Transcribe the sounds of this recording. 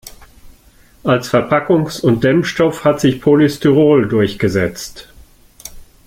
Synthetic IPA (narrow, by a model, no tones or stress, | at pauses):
ʔalsfɛɐpʰakʊŋsʊnt̚d̥ɛmfʃtɔfhatz̥ɪçpʰolistyʁoːldʊɐçɡ̥əzɛt͡st